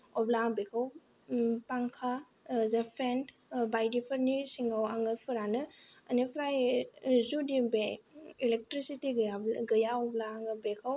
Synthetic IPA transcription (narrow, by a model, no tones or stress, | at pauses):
ɔblabekʰaw | paŋkʰa | zɐpʰen | bajdipʰəɾnisiŋawaŋɯpʰɯɾanɯːnipʰɾajzudibeilek̚tɾisitiɡɐjaɔblaːŋɯbekʰaw